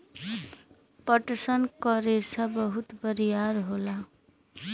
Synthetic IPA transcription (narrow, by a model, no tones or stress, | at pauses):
pʌʈsʌnkʌɾesʰʌbʌɦut̪bʌɾijaɾɦola